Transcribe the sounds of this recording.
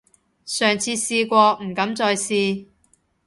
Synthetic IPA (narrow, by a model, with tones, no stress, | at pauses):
sœː˨˩ŋt͡sʰiː˧siː˧kʷɔː˧m̩˨˩kɐ˨˥mt͡sɔː˧jsiː˧